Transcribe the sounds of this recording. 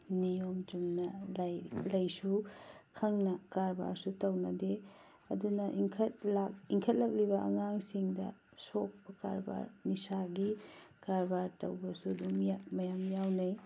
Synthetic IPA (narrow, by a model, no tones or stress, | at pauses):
nijomd͡ʒumnɐlajlɐjsukʰɐŋnɐkaɾba̰ɾsutɐwnɐde | ɐ̰dunɐʔiŋkʰɐt̚lakiŋkʰɐt̚lɐk̚libɐʔɐŋaŋsiŋdɐ̰ | sok̚pɐka̰ɾba̰ɾnisaɡikaɾbaɾtɐ̰wbɐsudumjamɐjamjawnɐj